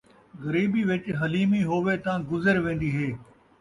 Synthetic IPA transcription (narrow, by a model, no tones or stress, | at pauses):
ɣəɾiːbiːʋɪt͡ʃɦəliːmiːɦoːʋeːt̪ãːɡʊzəɾʋẽːn̆d̪iːɦeː